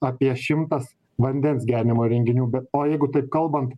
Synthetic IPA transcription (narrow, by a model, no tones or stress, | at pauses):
ɐpʲiɛʃʲɪmt̪ɐs | ʋɐnʲd̪ʲɛnsɡʲæːɾʲɪnʲɪmoːɾʲɛŋʲɡʲɪnʲuːbʲɛt̪oːjɛɪɡʊt̪ɐɪp̚kɐlˠbɐnt̪